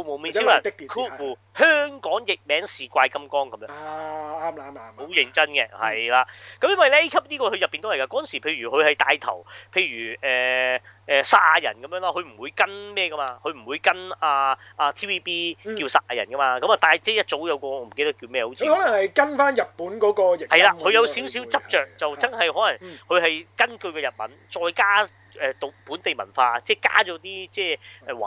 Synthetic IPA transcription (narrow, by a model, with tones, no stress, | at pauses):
o˧mo˨˧wmiː˧˥i˥˨˩k̚t̪i˨kʰuː˥uː˨˩ | hœː˥ŋkɔː˨˥ŋjɪ˨k̚mɛː˨˥ŋsiː˨˧kʷaː˧jkɐ˥mkɔː˥ŋkɐ˨˦mjœː˧aː˥ma˨˧ma˧o˨˥wjɪ˧ŋt͡sɐ˥nkɛ˧hɐ˨jlaː˨˧kɐ˨˥mjɐ˥nwɐ˨jlɛ˥kʰɐ˥p̚niː˥kɔː˧hɵ˧jɐ˨pːi˨nt̪o˥hɐ˨˩jka˧kɔ˦˥ɐ˨nsiː˨˩pʰe˧jɥyː˨˩hɵ˨˧ɥhɐ˨jt̪a̰ː˧jt̪ʰɐ̰˨˩wpʰe˧jɥyː˨˩ɛː˨ʔɛː˨saː˧˥aː˧jɐ̰˨˩nkɐ˨mjœː˧˥ŋlaː˥ɦɵ˨˧ɥm̩˨˩wuː˨˧jkɐ˥nmɛː˥˩kɐ˥maː˧hɵ˧ɥm̩˨˩wuː˨˧jkɐ˥naː˧aː˧t̪ʰiː˥wiː˥piː˥kiː˧wsaː˥t̚aː˧jɐ˨˩nkɐ˥maː˧kɐ˨˥ma˨˩t̪aː˧jt͡sɛː˥˩jɐ˥t̚t͡so˨˥wjɐ˨˧wkɔː˧˨ɔ˧m̩˨˩ke˥˧t̪ɐ˥ki˧wmɛː˥˧ho˨˧˥wi˨˧hɔ˨˥lɐ˨˩ŋhɐ˨jkɐ˥nfaː˥njɐ˨t̚puː˨˥nkɔː˨˥kɔː˧jɪ˨k̚hɐ˨jlaː˧hɵ˧ɥjɐ˨˧wsiː˨˥wsi˨˥wt͡sɐ˥p̚t͡ʃœː˨˩k̚t͡sɐ˨wt͡sɐ˥nhɐ˨jhɔː˨˥lɐ˨˩ŋhʰɵ˨˧ɥhɐ˨jkɐ˥nkɵ˧ɥkɛː˧jɐ˨t̚mɐ̰˨˥nt͡ʃɔː˨˧jkaː˥ | ʔɛː˨t̪o˨˧˩puː˨˥nt̪e˨jmɐ̰˨˩nfaː˧t͡sɛː˥˩ka̰ː˥t͡ʃɔː˨˥t̪iː˥t͡sɛː˥ʔɛ˨wa̰˨